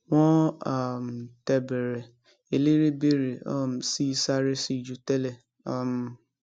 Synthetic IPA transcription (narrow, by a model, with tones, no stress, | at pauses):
w̃ɔ̃˦a˦˨m˨tɛ˧bɛ˨ɾɛ˨ | e˨le˦ɾe˦be˦ɾe˨a̰˦˨m̩˨si˦i˧sa˦ɾe˦si˦i˨d͡ʒu˧˦tɛ˦lɛ˦˨ | a˦˨m˨